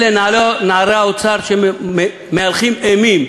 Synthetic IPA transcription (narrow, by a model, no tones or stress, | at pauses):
lɛnalɔnaɾaut͡sʰaɾt͡ʃʰɛmɛ | mɛlχimɛmim